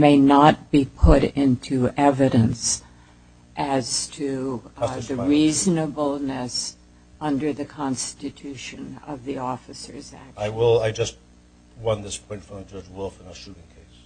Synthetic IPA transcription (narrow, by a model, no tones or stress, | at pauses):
meɪnət̚b̥ipʰʊɾɪ̃ntʰʉɛvɨɾɨ̃ns | ʔɨz̥tʰɨ | ðɨɹiznəbl̩ˠnɨs | ʌ̃ndə˞ðɨkʰɑ̃nstɨtʰʉʃɨ̃nʌ̰vðiɔfɨsə̰˞zæ̰k̚aɪwɪlˠaɪd͡ʒʌst̚ | wʌ̃nðɪspʰɔ̃ɪ̃ntfɹʌ̃md͡ʒʌd͡ʒwʊlˠfə̃nəʃʉvɪ̃ŋkʰeɪs